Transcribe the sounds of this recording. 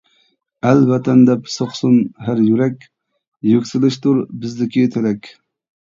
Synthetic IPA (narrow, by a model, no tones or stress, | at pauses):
ɛlvɛt̪ʰɛnd̪ɛpsoχsunɦæɾjyɾɛkʲ | jøkʲsɪlˠɨʃt̪uɾbɪzd̪ɪkʲiɪt̪ʰølɛkʲ